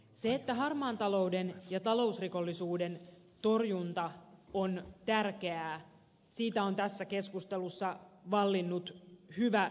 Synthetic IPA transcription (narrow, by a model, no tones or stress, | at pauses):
seːt̪ːæɦɑrmɑːnt̪ɑlo̞udenjɑt̪ɑlo̞usriko̞lːisuːde̞n | t̪o̞rjunt̪ɑont̪ærke̞æː | siːt̪æo̞nt̪æsːæke̞skust̪elusːɑʋɑlːinːut̪hyʋæ